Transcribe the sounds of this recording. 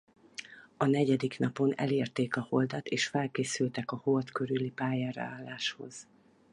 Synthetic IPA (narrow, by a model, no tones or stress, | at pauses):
ɒnɛɟɛd̪iknɒpo̞nɛ̰leːrt̪eːkɒhold̪ɒt̪eːʃfɛlkeːsylt̪ɛkɒho̞lt̪køɾylːipaːjaːɾɒ̰aːlːaːʃho̞̰z̥